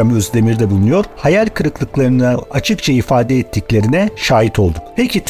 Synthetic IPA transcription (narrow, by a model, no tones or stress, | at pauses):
amøzd̪e̞miɾd̪ɛbulˠunujo̞ɾ̥hajalʲkʰɯɾɯklˠɯklˠaɾɯnɯat͡ʃʰɯkt͡ʃʰaifaːd̪ɛːt̪ʰːiclʲe̞ɾinɛʃaːjit̪ʰo̞lˠd̪ukpʰecʰit̪ʰ